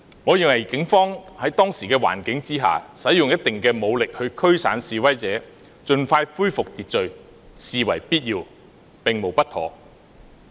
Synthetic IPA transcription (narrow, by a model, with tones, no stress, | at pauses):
ŋɔː˨˧jɪ˨ŋwɐ˨˩jkɪ˨˥ŋfɔː˥ŋhɐ˨˥jt̪ɔː˥ŋsiː˨˩kɛː˧wa̰ː˨˩nkɪ˨˥ŋt͡siː˥ɦa̰ː˨sɐ˨˥jːʊ˨ŋjɐ˥t̚t̪ɪ˨ŋkɛː˧mo˨˧wlɪ˨k̚hɵ˧ɥkʰɵ˥ɥsa̰ː˨˥nsiː˨˧wɐ˥jt͡sɛː˨˥ | t͡ʃɵ˨˧nfaː˧jfuː˥jfʊ˨k̚t̪iː˨t̚t͡sɵ˨ɥ | siː˨wɐ˨˩jpiː˥t̚jiː˧w | pɪ˨ŋmo˨˩wpɐ˥t̪ʰɔ̰ː˨˧